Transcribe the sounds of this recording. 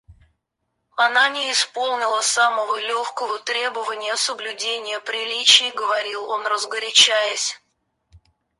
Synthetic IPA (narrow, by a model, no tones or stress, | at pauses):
ɐnanʲɪɪspo̞lˠnʲɪlˠəsaməvəlʲoxkəvət̪ɾʲe̞bəvənʲɪjəsəblʲʉdʲenʲɪjəpɾʲɪlʲit͡ɕɪjɡəvɐɾʲilˠo̞nrəzɡəɾʲɪt͡ɕæjəsʲ